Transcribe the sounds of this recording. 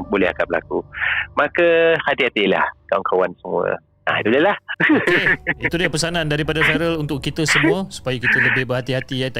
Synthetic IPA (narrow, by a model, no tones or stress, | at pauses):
bolɛha̰kabəla̰kumakahat̪ihat̪ila̰hkawankʰawansəmuə̰ | ʔa̰d̪uləlahkeit̪udapəsanãndaɾipadafɛɾəlunt̪ʊʔkːit̪əsəmuəsu̥pajakit̪ələbɪhbərɦat̪iɦat̪ijat̪a